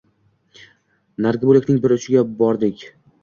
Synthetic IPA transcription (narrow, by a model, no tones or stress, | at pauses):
naɾɡʲɪbolɪkʲnɪŋbɪɾʊt͡ʃʰɪɡʲabɒɾd̪ɪkʲ